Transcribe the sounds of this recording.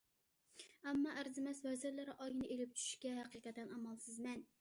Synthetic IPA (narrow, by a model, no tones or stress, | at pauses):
ɛmːɑʔæɾzɪmɛswɛzɪɾlɪɾɪʔɑjinɪʔelɪp̚t͡ʃʰy̥ʃu̥ʃkʲɛɦæqɨqɛt̪ːɛnɑmɑlˠsɪzmɛn